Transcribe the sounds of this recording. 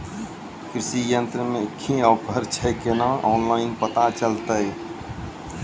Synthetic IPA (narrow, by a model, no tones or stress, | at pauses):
kɾɪʃijənt̪ɾəmẽkʰːĩəwpʰəɾt͡ʃʰɛkenaʔɔːnlaːɪnpət̪at͡ʃəlt̪əj